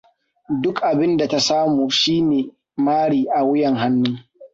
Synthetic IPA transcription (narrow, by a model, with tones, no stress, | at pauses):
dʊ˦kʔa˨bɪ˦nda˨ta˦saː˦muː˨ʃiː˦neː˨ | maː˦ɽiː˨ʔa˨wʊ˦jɛ˨ŋɦa˦nːʊ˦ŋ